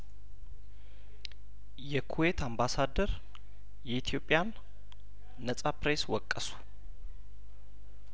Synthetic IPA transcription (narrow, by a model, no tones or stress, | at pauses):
jɛkʰuwet̪ʰambasad̪əɾ | jɛit̪ʰijo̞pʼːjan | əsʼapɾeswɔkʼːəsu̥